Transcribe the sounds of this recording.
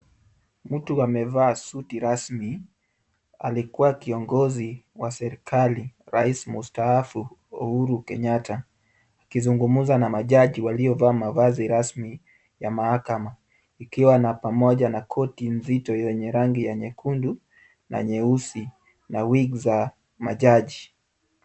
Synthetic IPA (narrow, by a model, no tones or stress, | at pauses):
mm̩tuamɛvaːsutiɾasmi | a̰likuwakiɔŋɡɔziwasɛɾikʰaliɾaismustaafuɔhuɾukɛɲatʰaː | kizuŋɡumuzanamaʄaʄiwalijɔvaːmavaziɾasmi | jamahakama | ikiwanapamɔʄanakʰɔtinzitɔjɛɲɛɾaŋɡijaɲɛkʰundu | na̰ɲɛusi | nawiɡza | ma̰ʄaʄi